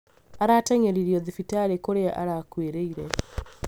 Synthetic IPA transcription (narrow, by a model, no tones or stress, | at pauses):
aɾatɛɲeɾiɾiɔðifitaɾekoɾeaʔaɾakweɾeiɾɛ